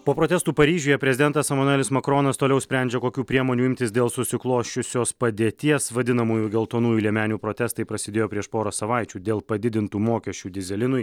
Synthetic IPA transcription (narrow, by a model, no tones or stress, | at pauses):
poːpɾoːt̪ʲɛst̪uːpɐɾʲiːʒʲoːjɛpʲɾʲɛzʲɪd̪ʲɛnt̪ɐsɛmɐnʊɛlʲɪsmɐkɾoːnɐst̪oːlʲɛʊsʲpʲɾʲæˑnʲd͡ʒʲɛkoːkʲuːpʲɾʲiɛmoːnʲuːɪmʲt̪ʲɪsd̪ʲeːlˠsʊsʲɪklˠoːʃʲʊsʲoːspɐd̪ʲeːt̪ʲiɛsʋɐd̪ʲɪnɐmuːjuːɡʲɛlˠt̪oːnuːjuːlʲiɛmʲæːnʲuːpɾoːt̪ʲɛst̪ɐɪpɾɐsʲɪd̪eːjoːpʲɾʲiɛʃpoːɾosɐʋɑɪt͡ʃʲuːd̪ʲeːlˠpɐd̪ʲɪd̪ʲɪnt̪uːmoːkʲɛʃʲt͡ʃʲuːd̪ʲɪzʲɛlʲɪnʊj